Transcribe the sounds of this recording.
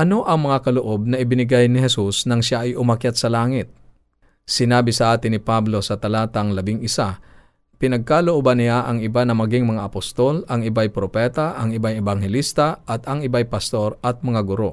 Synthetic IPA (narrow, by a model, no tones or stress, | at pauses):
ʔɐno̞ʔɐŋmɐŋakɐloʔo̞b̚nɐʔɪbɪnɪɡajnɪɦɛsusnɐŋʃaʔɐjʊmɐkjat̪̚sɐlaːŋɪt̪̚ | sɪnaːbɪsɐʔaːt̪ɪnɪpablo̞sɐt̪ɐlaːt̪ɐŋlɐbɪŋɪsa | pɪnɐɡ̚kaloʔobanɪjaʔɐŋɪbanɐmɐɡɪŋmɐŋaʔɐpost̪o̞lɐŋɪbajpɾopɛt̪aʔɐŋɪbajɛbaŋhɛlist̪ɐʔɐt̪ɐŋɪbajpɐst̪o̞ɾɐt̪̚mɐŋaɡʊɾo̞